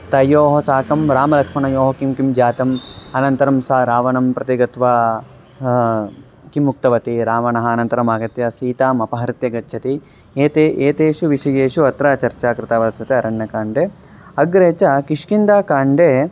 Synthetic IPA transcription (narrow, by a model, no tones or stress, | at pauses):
t̪ɐjoːɦɐsaːkɐmɾaːmɐlɐkʂmɐɳɐjoːɦɐkimkimd͡ʒaːt̪ɐmɐnɐnt̪ɐɾɐmsaɾaːʋɐnɐmpɾɐt̪iɡɐt̪ʋaː | kimːuk̚t̪ɐʋɐt̪iɾaːʋɐnɐɦɐ̆ːnɐnt̪ɐɾɐmaːɡɐt̪jɐsiːt̪aːmɐpɐɦɐɾit̪jɐɡɐtːʃʰɐt̪iː | t̪eeːt̪eːʃuʋiʃɐjeːʃuɐt̪ɾaːt͡ʃɐɾt͡ʃaːkɾɪt̪aːʋɐst̪ʰɐt̪eɐɾɐɳːɐkaːɳɖeː | ɐɡɾeːt͡ʃɐkiʂkind̪aːkaːɳɖeː